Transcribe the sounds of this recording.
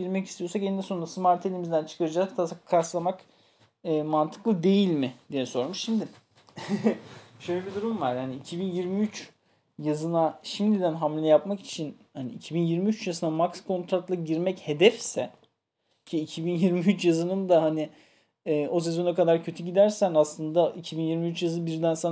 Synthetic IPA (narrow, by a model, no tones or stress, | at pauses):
ɟiɾmɛcist̪ʰijo̞ɾsakenid̪ɛso̞nɾasɯmaɾt̪ʰelʲimizd̪ænt͡ʃʰɯ̥kʰaɾɯd͡ʒakt̪ʰasakʰːaɾslˠamak | ɛːmant̪ʰɯ̥klˠɯd̪e̞jilʲmɪd̪̥ijɛso̞ɾmuʃʃimd̪ɪ | ʃøjlʲɛbid̪uɾumvaɾ̥haniicʰibinjiɾmiyt͡ʃ | jazɯnaʃimd̪id̪ænɦamlʲjapmaki̥t͡ʃʰin | hanḭicʰibinjiɾmiyt͡ʃjazɯnamakskʰo̞nt̪ɾat̪lˠaɟiɾmɛche̞d̪ɛfsɛ | cʰiːcʰibinjiɾmiyt͡ʃjazɯnɯmd̪ahaniː | o̞s̬ɛzo̞nakad̪aɾcʰø̞t̪ʰyɟid̪æɾsænaslˠɯnd̪aicʰibinjiɾmiyt͡ʃjazɯbiɾd̪ænsan